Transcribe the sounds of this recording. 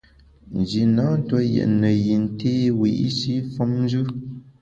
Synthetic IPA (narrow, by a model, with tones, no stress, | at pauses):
n̩˨d͡ʒi˨na˨˦n̩˦twɔ˦jɛ̰˨ʔnə˨ji˨n̩˦teː˦wi˨ʔi˦ʃi˦fɔ˦mn˦d͡ʒʉ˦